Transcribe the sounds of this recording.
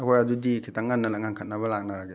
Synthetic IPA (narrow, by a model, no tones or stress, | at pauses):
akʰɔjadudikʰitaŋːanːalaŋankʰat̚nabɐlak̚naɾaɡe